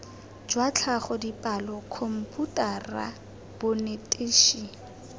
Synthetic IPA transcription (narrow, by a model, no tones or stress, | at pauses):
d͡ʒwat͡ɬʰaχɔdipʼalɔkʰɔm̩pʼutʼara̰ | b̥ʊnetʼɪːʃi